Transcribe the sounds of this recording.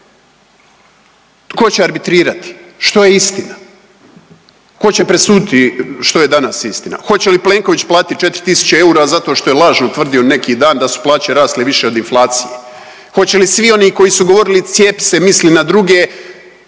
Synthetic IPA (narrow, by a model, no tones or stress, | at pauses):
ko̞t͡ɕeaɾbit̪ɾiːɾat̪i̥ʃt̪o̞jeist̪ina | ko̞t͡ɕepɾesuːd̪it̪iʃt̪o̞je̞d̪anasist̪ina̰xo̞t͡ɕe̞lipleːŋko̞ʋit͡ɕplˠaːt̪it̪̚t͡ʃe̞t̪ɾi̥t̪isu̥t͡ɕeeuːɾazat̪o̞ːʃt̪o̞jelˠaːʒnot̪ʋr̩d̪io̞ne̞kiːd̪aːnd̪asu̥plˠaːt͡ɕeɾaːst̪leʋiʃe̞o̞d̪inflˠaːt̪sije | xo̞t͡ɕe̞lisʋio̞niːko̞jisuɡo̞ʋo̞ɾilit̪sjeːpi̥se̞mislinad̪ɾuɡeː